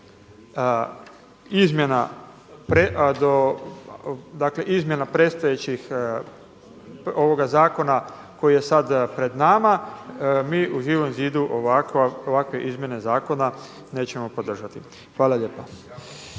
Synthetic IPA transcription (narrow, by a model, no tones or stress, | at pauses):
izmʲje̞na̰ | pɾed̪o | d̪akle̞ʔizmje̞napɾe̞d̪st̪ajet͡ɕix | o̞ʋo̞ɡazaːko̞na | ko̞jije̞sad̪pɾe̞d̪nama | miːʔuʒiːʋo̞mziːd̪uʔoʋakaoʋakʋe̞ʔizmje̞ne̞zaːko̞na | ne̞ːt͡ɕe̞mo̞po̞d̪r̩ʒat̪i | xʋaːlˠaʎeːpa